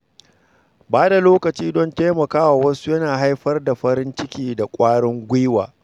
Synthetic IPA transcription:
baː˦da˨loː˦kɐ˨t͡ʃiː˦dɔ˦nteː˦mɐ˨kaː˦wa˨wɐ˦su˦jɐ˦naː˨ɦa˦jɸɐ˦rda˨ɸɐ˦ɾɪ˦nt͡ʃɪ˦kʲiː˨da˨kʷʼaː˦ɽɔ˦ŋɡʷɪ˦waː˨

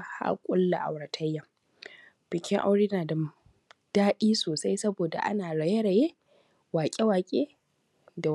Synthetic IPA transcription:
ha̰˦kʷʼʊ˦lːa˨ʔa̰˨wɽɐ˨tʰɐ˦jːa˨ | b̥ɪ˨kʲɪ˦ŋʔa̰˦wɽe˦jnaː˨dɐ˨ | d̥aː˦ɗiː˦soː˨sa˦jsɐ˦boː˨da̰˨ʔa̰˦naː˨ɽa˨je˦ɽɐ˨je˦ | waː˨kʲʼe˦waː˨kʲʼeː˦ | da˨

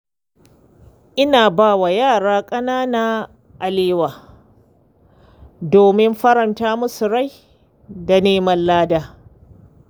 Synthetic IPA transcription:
ʔɪ˦naː˨baː˦˨wa˨jaː˦˨ɽaː˦kʼɐ˦naː˦naː˦ | ʔa˨leː˦waː˨ | doː˨mɪ˦mɸɐ˦ɾɐ˨ntaː˦mʊ˦sʊ˨ɽa˦˨j | da˨neː˦mɐ˦nlaː˦daː˦

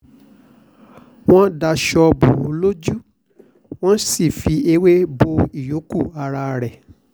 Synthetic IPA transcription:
w̃ɔ̃˦da˧ʃɔ˧bo˨o˨˧lo˦d͡ʒu˦ | w̃ɔ̃˦si˦˨fi˧e˧˦we˦bo˧i˦˨jo˨˦ku˦˨a˧ɾa˧ɾɛ˨

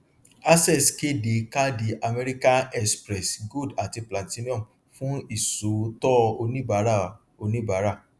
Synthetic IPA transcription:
a˦sɛ˦˨ske˦de˨˦ka˦di˨ʔa˧mɛ˦ɾi˦ka˦nɛ˦spɾɛ˨sɡo˦˨da˨ti˧pla˨tĩ˦nĩ˦ɔ̃˦˨m | fũ˦i˦˨so˨˦tɔ˦o˧nĩ˦ba˨˦ɾa˦˨ | o˧nĩ˦ba˨˦ɾa˦˨

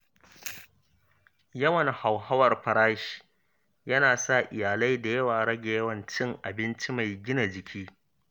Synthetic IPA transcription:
jɐ˦wɐ˨nha˨wɦa˦wɐ˨rɸɐ˨ɾaː˦ʃi̥˨ | jɐ˦naː˨sa˦˨ʔɪ˨jaː˨la˦jda˨jɐ˦waː˨ɽɐ˦ɡa˨jɐ˦wɐ˨nt͡ʃɪ˦ŋʔa˨bɪ˦nt͡ʃi˦ma˨jɡʲɪ˦na˨d͡ʒɪ˨kʲʰiː˦

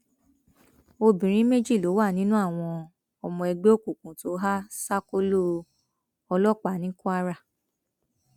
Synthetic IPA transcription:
o˧bĩ˨ɾ̃ĩ˦me˦d͡ʒi˦˨lo˨˦wa˦˨nĩ˦nũ˦a˦˨w̃ɔ̃˧ | ɔ˧mɔ̃˧ɛ˧ɡ͡be˦o˦kũ˦˨kũ˨to˨˦ɦa˦sa˦ko˦lo˦ | ɔ˧lɔ˦k͡pa˨˦nĩ˦kũ˦a˦ɾa˦˨

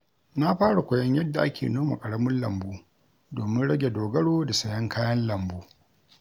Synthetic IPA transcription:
na˦ɸaː˦ɽa˨kʷɐ˨jɐ˦ɲjɐ˦dːa˨ʔa˦kʲḛː˨noː˦ma̰˨kʼɐ˨ɽɐ˦mʊ˦nlɐ˨mbuː˦ | doː˨mɪ˦nɽɐ˦ɡʲe˨doː˨ɡɐ˦ɽoː˦da˨sɐ˨jɐ˦ŋkʰaː˦jɐ˦nlɐ˨mbuː˦

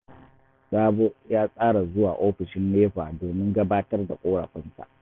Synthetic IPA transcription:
saː˦bo˦jaː˦sʼaː˦ɽa˨zʊ˦waː˨ʔoː˦ɸɪ˨ʃɪ˦nːeː˦ɸaː˨doː˨mɪ˦ŋɡɐ˦baː˦tɐ˦rda˨kʷʼoː˦ɽa̰˨ɸʷɪ˦nsa̰˨ʔ

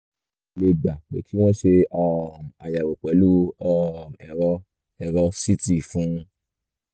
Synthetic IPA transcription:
le˧ɡ͡ba˨k͡pḛ˨tʰi˦w̃ɔ̃˦ʃe˧ɔ˧˨m˨a˨ja˨wo˨k͡pɛ˨˦lu˦ɔ˧˨m˨ɛ˧ɾɔ˧ | ɛ˧ɾɔ˧si˦ti˦˨fũ˨˦˧

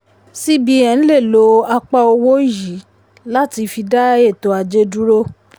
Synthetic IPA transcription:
si˦bi˨˦ɛ̃˧n̩˦le˦˨lo˨˦a˧k͡pa˦o˧wo˦i˦˨ji˨˦ | la˦ti˧fi˧da˦e˦˨to˨˦a˧d͡ʒe˦du˦ɾo˦

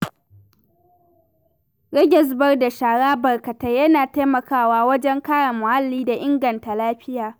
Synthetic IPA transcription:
ɾɛ˦ɡʲɪ˨s̬bɐ˦rda˨ʃaː˨ɽaː˦bɐ˨rkɐ˨ta˦jɐ˦naː˨ta˦mɐ˨kaː˦˨waː˦wɐ˦d͡ʒɛ˦ŋkaː˦ɽa˨mʊ˨ha˦lːiː˦da˨ʔɪ˦ŋɡɐ˨nta˨laː˦ɸɪ˦jaː˨

